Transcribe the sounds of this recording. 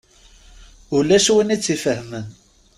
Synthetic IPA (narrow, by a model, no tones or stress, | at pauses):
ulæʃwinit͡sːifəhmən